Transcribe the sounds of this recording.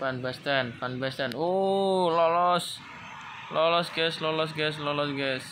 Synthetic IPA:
panbɛst̪ɛnpanbɛst̪ɛnolɔlɔs | lɔlɔsɡɛslɔlɔs̬ɡɛs̬lɔlɔsɡɛs

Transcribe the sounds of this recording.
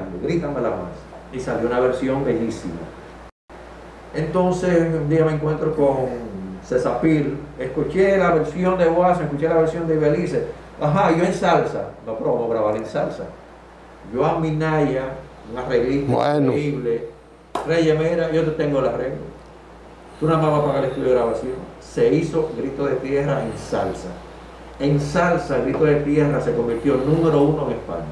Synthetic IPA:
nd̪oɣɾit̪amela̰ma̰s | isaljounaβeɾsjo̞mbe̞ʎisḭma̰ | ent̪o̞nsesmund̪iamẽŋkwe̞nt̪ɾokoŋsesafiɾeskut͡ʃelaβeɾsjo̞nd̪eβwasmehkut͡ʃelaβeɾsjo̞nd̪eβelises | aɦaʝoensalsanopɾomoɣɾaβalensalsa̰ | ʝoamĩnaʝa | ŋareɣlit̪eeiβle | reʝemeɾaʝot̪et̪eŋɡolareɣlḛ | t̪unamãmapakaleht̪uljoɾaβasio̰ | se̞isoɡɾit̪o̞ðe̞t̪je̞rɾaeŋsalsa | eŋsalsaeɣɾit̪o̞ðet̪je̞rase̞ko̞mbiɾt̪jo̞nũmeɾounoeŋespa̰ɲa

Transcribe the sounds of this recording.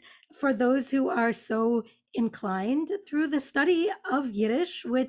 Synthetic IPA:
fə˞ðoʊz̥huə˞soʊ | ɨ̃nkʰl̥ãɪ̃nθɹʉðɨstʌɾiʌvjɪɾɪʃwɪ

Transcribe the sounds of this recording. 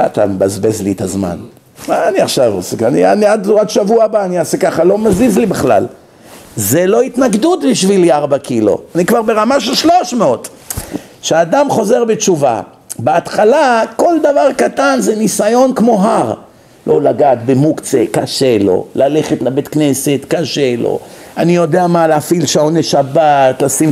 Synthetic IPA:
a̰t̪a̰mebazbezlit̪azma̰n | maːniaχʃavosekania̰niad̪ad̪ʃavuabaːniasekaχalo̞mazizlibeχla̰l | zelo̞it̪naɡd̪ut̪biʃviliaʁbakilo̞̰anikvaʁbeʁamaʃelʃlo̞ʃmeo̞t̪ | ʃead̪amχo̞ze̞ʁbet͡ʃuva̰ | beat̪χalako̞ld̪avaʁkat̪anzenisajo̞nkmo̞ɦaʁ | lʔo̞laɡaːt̪bemukt͡sḛkaʃe̞lo̞̰laleχet̪lebet̪kne̞se̞t̪kaʃelo̞̰anijo̞d̪eamaleafilʃaoneʃabatlasim

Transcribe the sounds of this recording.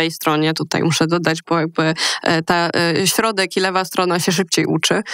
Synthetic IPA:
ɛjst̪ɾɔɲɛt̪ut̪a̰jmuʂɛd̪ɔd̪ad͡ʑbɔjaɡ̚bɘt̪aɕɾɔd̪ɛkilɛvast̪ɾɔnaɕɛʂ̬ɘp̚t͡ɕejʔut͡ʂɘ

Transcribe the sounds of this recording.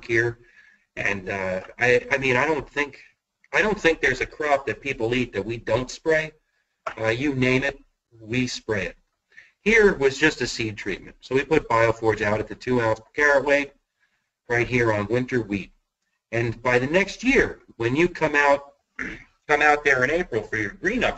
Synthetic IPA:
khiɹ | ʔɨ̃naɪaɪmĩñaɪɾõʊ̃nθɪ̃ŋk | aɪɾõʊ̃nθɪ̃ŋk̚ðə˞zɨkʰɹ̥ɑp̚ðɨt̚pʰipl̩ˠit̪̚ðɨt̚widõʊ̃ntspɹeɪ | ʌjɨnẽɪ̃mɨt̚ | wispɹeɪɨt̚ | hiɹwʌzd͡ʒʌstɨsid̚tʰɹ̥ḭt̚mɨ̰̃n̩tsoʊwipʊt̚b̥aɪl̩ˠfɔɹd͡ʒaʊɾɨt̪̚ðɨtʰʉãʊzkʰɛɹɨt̚weɪ | ɹaɪt̚ɦiɹə̃nwɪ̃ntə˞wiɾ̚ | ɨ̃nbaɪðɨnɛkst̚jɪɹwɨ̃njɨkʰʌ̃maʊt̚ | kʰʌ̃maʊt̪̚ðə˞ɨ̃neɪpɹl̩ˠfə˞jə˞ɡɹĩnʌp

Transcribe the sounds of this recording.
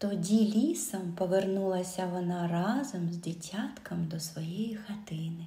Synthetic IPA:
t̪ɔdʲilʲisɐmpɔʋernulˠɐsʲɐʋɔnɑrɑzɔmzdʲitʲat̪kʰɐmd̪ɔsʋɔjɛjixɐt̪ɪnɪ

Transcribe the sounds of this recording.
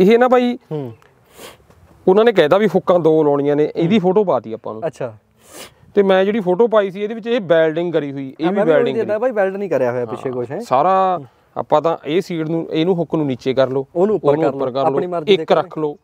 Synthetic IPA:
ɪɦeːnaːbʱaːiː | ʊnãːnẽːkɛ̃ːt̪aːbipʰʊkːãːd̪oːlɔːɽ̃ijãːneːʔeːd̪iːpʰoːʈoːp̬aːt̪iːaːpːã̰ːnũːəʃʰaː | t̪eːmɛ̃ːd͡ʒeːɽiːpʰoːʈoːp̬aːiːsiːeːd̪eːʋɪt͡ʃeːbɛːlɖɪ̃ŋɡkəɾiːɦoiːʔeːʋibɛːlɖɪ̃ŋabaːiːbɛːlɖnĩːkəɾjaːɦojaːpɪʃeːkʊʃɦɛ̃ːsaːɾaː | a̰ːpːãːt̪ã̰ːʔeːsiːʈnũːʔeːnũːɦʊkːnũːniːt͡ʃeːkəɾloːoːnũːoːnũːʊpːəɾkəɾloːeəɪkɾəkʰloː

